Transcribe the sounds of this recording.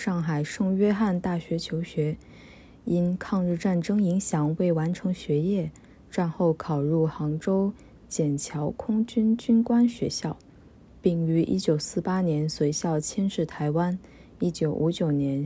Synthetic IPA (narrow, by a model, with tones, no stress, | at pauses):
ʂɑ˥˩ŋxa˨˩ɪʂɤ˥˧ŋɥɛ˥xa˥˧nt̪a˥˩ɕɥɛ˧˥t͡ɕʰjo˧˥ʊɕɥɛ˧˥ | i˥nkʰɑ˥˧ŋɻɻ̩˥˧ʈ͡ʂa˥˩nʈ͡ʂɤ˥ŋi˧˥ŋɕjɑ˨˩˦ŋwe˥˩ɪwa˧˥nʈ͡ʂʰɤ˧˥ŋɕɥɛ˧˥jɛ˥˩ | ʈ͡ʂwa˥˧nxo˥˩ʊkʰɑ˨˩ʊɻu˥˩xɑ˧˥ŋʈ͡ʂo˥ʊ | t͡ɕjɛ˨˩nt͡ɕʰjɑ˧˥ʊkʰʊ˥ŋt͡ɕy˥nt͡ɕy˥nkwa˥nɕɥɛ˧˥ɕjɑ˥˩ʊ | pi˥˩ŋy˧˥ʔḭ˥t͡ɕjo˨˩ʊsɹ̩˥˩pa˥njɛ˧˥nswe˧˥ɪɕjɑ˥˩ʊt͡ɕʰɛ˥nʂɻ̩˥˩t̪ʰa˧˥ɪwa˥n | i˥t͡ɕjo˨˧˩ʊʔu˧˥t͡ɕjo˨˩ʊnjɛ˧˥n